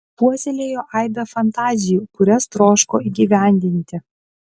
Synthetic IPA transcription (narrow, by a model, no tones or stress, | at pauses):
puɔsʲɛlʲeːjoːʔɑɪd̪ɐfɐnt̪ɑːzʲɪjuːkʊɾʲɛst̪ɾoːʃkoːiɡʲiʋʲæˑnʲd̪ʲɪnʲt̪ʲɪ